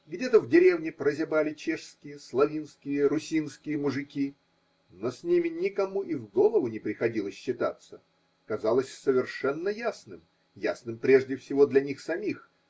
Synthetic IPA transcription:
ɡdʲe̞t̪əvdʲɪɾʲe̞vnʲɪpɾəzʲɪbalʲɪt͡ɕeʂskʲɪjəslˠɐvʲinskʲɪjəɾʊsʲinskʲɪjəmʊʐɨkʲi | nosʲnʲimʲɪnʲɪkɐmuʔivɡo̞lˠəvʊnʲɪpɾʲɪxɐdʲilˠəsʲɕːɪt̪at̪sə | kɐzalˠəsʲsəvʲɪrʂɛnːəjasnɨm | ja̰snɨmpɾʲe̞ʐdʲɪfsʲɪvo̞d̪lʲɐnʲixsɐmʲix

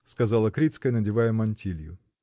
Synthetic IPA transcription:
skɐzɑlˠəkɾʲit̪skəjnɐdʲɪvajəmɐnʲtʲilʲjʊ̰

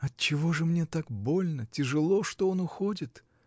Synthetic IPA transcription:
ɐt̪t͡ɕɪvo̞ʐɨmnʲet̪akbo̞lʲnətʲɪʐɨlˠo̞ʂt̪oonʊxodʲɪt̪

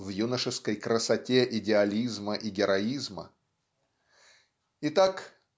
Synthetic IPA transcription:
vjunəʂɨskəjkɾəsɐtʲeʔɪdʲɪɐlʲizməʔɪɡʲɪɾɐizmə̰ | ɪt̪ak

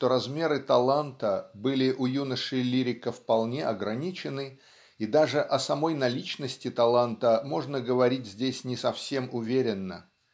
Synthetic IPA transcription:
ʂt̪oɾɐzmʲe̞ɾɨt̪ɐlˠant̪əbɨlʲɪʔʊjunəʂɨlʲiɾʲɪkəfpɐlˠnʲe̞ʔɐɡɾɐnʲit͡ɕɪnɨ | id̪aʐɨʔɐsɐmo̞jnɐlʲit͡ɕnəsʲtʲɪt̪ɐlˠant̪əmo̞ʐnəɡəvɐɾʲit̚ʲzʲdʲesʲnʲɪsɐfsʲe̞mʊvʲeɾʲɪnːə̰

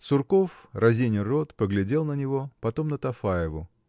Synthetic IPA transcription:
sʊrko̞frʔɐzʲenʲɪrot̪pəɡlʲɪdʲe̞lˠnənʲɪvo̞pɐt̪o̞mnət̪ɐfajɪvʊ

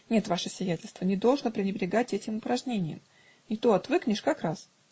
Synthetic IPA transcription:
nʲe̞t̪vaʂɨsvʲɪjætʲɪlʲst̪vənʲɪd̪olˠʐnəpɾʲɪnʲɪbɾʲɪɡatʲɛtʲɪmʊpɾɐʐnʲenʲɪjə̰m | ɪt̪oɐt̪vɨknʲɪʂkakɾas

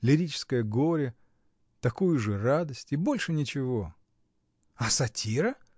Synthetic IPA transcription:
lʲɪɾʲit͡ɕɪ̥skəjəɡo̞ɾʲɪ | t̪ɐkujʊʐɨrad̪əsʲtʲɪbo̞lʲʂɨnʲɪt͡ɕɪvo̞ | ɐsɐtʲʰiɾə

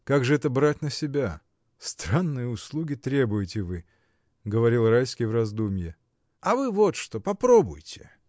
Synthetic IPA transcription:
kaɡʐɨɛt̪əbɾatʲnəsʲɪbʲa | st̪ɾanːɨjəʊslˠuɡʲɪt̪ɾʲe̞bʊjɪtʲɪvɨ | ɡəvɐɾʲilˠrajskʲijvrɐzd̪umʲjɪ | ɐvɨvot̪ʂt̪opɐpɾobʊ̰jtʲɪ̥

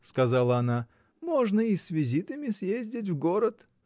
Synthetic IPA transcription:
skɐzalˠəɐna | moʐnəisvʲɪzʲit̪əmʲɪsjezʲdʲɪt̬ʲvɡoɾət̪

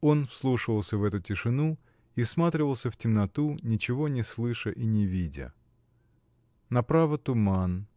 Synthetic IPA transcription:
o̞nfslˠuʂɨvəlˠsʲəvɛt̪ʊtʲɪʂɨnu | ifsmat̪ɾʲɪvəlˠsʲəftʲɪmnɐt̪unʲɪt͡ɕɪvo̞nʲɪslˠɨʂəʔinʲɪvʲidʲə̰ | nɐpɾavət̪ʊman

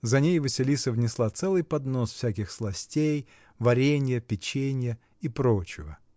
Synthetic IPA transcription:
zɐnʲejvɨsʲɪlʲisəvnʲɪslˠat̪sɛlˠɨjpɐd̪no̞sfsʲækʲɪxslˠɐsʲtʲej | vɐɾʲenʲɪjəpʲɪt͡ɕenʲɪjə | ipɾot͡ɕɪvə̰

